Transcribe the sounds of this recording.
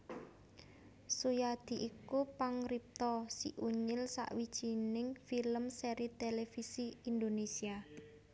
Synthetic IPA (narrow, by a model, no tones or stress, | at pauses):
sujad̪̥i̤ʔikupaŋrip̚t̪ɔsiʔuɲɪlsa̰ʔwid̥ʒ̥i̤nɪŋfiləmseɾit̪elefisiind̪onesia